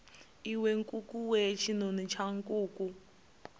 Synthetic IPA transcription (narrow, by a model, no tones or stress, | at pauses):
iweŋkʼukʼuwet͡ʃʰinonit͡ʃʰaŋkʼuːkʼu